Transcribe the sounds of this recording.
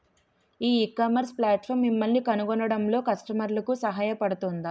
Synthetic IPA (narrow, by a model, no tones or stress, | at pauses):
iːkɐmɐɾsplaːʈfʰɐːɾmːimːɐlnikɐnuɡɔɳɐɽɐmlo̞ːkɐsʈɐmɐɾlɐkusɐɦaːjɐpɐɽut̪und̪i